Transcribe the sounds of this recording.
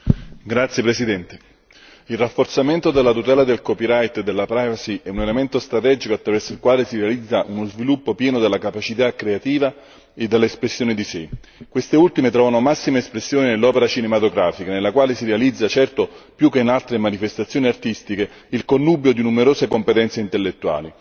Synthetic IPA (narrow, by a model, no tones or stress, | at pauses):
ɡɾat̪sjepɾesid̪ɛnt̪e | ilrafːort̪sament̪od̪elːat̪ut̪ɛːlad̪elkɔpiɾajt̪ed̪ːelːapɾajvasiɛunelement̪ost̪ɾat̪ɛːd͡ʒikoat̪ːɾavɛrsoilkwaːlesiɾealid̪zːaʔunozvilupːopjɛːnod̪elːakapat͡ʃit̪akːɾeat̪iːva | ed̪ːeleespɾesːjoːnid̪isɪ | kwest̪eult̪imet̪ɾɔːvanomasːimeespɾesːjoːninelːɔːpeɾat͡ʃinemat̪oɡɾaːfikanelːakwaːlesiɾealid̪zːat͡ʃɛrt̪opjukːeinalt̪ɾemanifest̪at̪sjoːniart̪ist̪ike | ilkonːuːbjod̪inumeɾoːsekompet̪ɛnt̪seint̪elːet̪ːua̰ːli